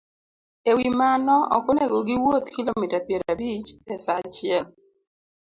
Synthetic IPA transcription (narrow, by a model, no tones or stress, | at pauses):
ewimanɔɔ̰koneɡoɡiwot̪kilomitapjɛɾabit͡ʃɛsat͡ʃɪɛl